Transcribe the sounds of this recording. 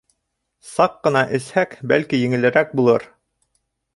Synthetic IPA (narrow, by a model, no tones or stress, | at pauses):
sɑqːɤ̆nɑʔɘ̆shækbælkijɘ̆ŋɘ̆lɘ̆ɾæk̚bulˠɤɾ